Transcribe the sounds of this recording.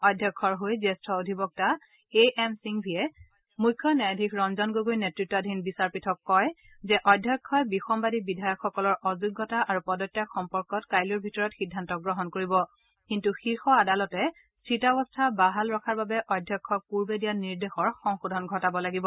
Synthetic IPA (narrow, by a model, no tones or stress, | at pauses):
ɔdʱːjɔkʰːɔɹɦojzɛstʰɔodʱibɔk̚ta | eʔɛmsiŋbʱijɛ | mujkʰːɔnajadʱikɹɔnzɔnɡoɡojnetɹitːadʱinbisaɹpitʰɔkːɔj | zɛʔɔdʱjɔkʰːɔjbixɔmbadibidʱajɔkxːɔkɔlɔɹʔɔzuɡːɔtaʔaɹupɔdɔtːakxɔmpɔɹkɔtkajlɔɹbʱitɔɹɔtxidʱːantɔɡɹɔɦɔnkoɹibɔ | kintuxiɹxɔadalɔtɛ | sɹitabɔstʰabaɦalɹɔkʰaɹbabɛʔɔjdʱjɔkʰːɔkuɹbedijaniɹdexɔɹxɔŋxudʱɔnɡʱɔtabɔlaɡibɔ